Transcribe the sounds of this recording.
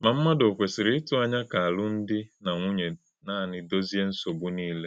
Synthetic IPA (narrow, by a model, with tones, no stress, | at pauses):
ma˨m̩˦ma˦do˨kʷe˨sɪ˨ɾɪ˦tʊ˦a˦ɲa˦ka˨a˨lʊ˦n̩˦dɪ˦na˨ŋʷu˦ɲe˨ | naː˦˨nɪ˨do˦zi˦e˦n̩˦so˨bu˦niː˦le˦